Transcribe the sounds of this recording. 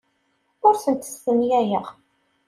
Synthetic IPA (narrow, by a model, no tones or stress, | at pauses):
ʊɾθənt̪ə̥sθəmjæjəʁ